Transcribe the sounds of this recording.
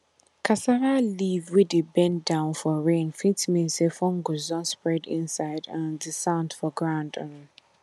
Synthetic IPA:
kʰasaɾalivwɪdebɛ̃ndãʊ̃nfɔɹẽnfĩtmĩnsefɔ̃ŋɡozɔ̃nspɹɛdḭ̃nsaɪdãndisãndfɔɡɹãʊ̃ndɔ̃n

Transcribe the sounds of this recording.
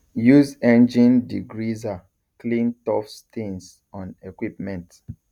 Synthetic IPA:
juzẽnd͡ʒĩndiɡɹiza | klĩntɔfstĩns | ɔ̃nekwip̚mɛ̃nt

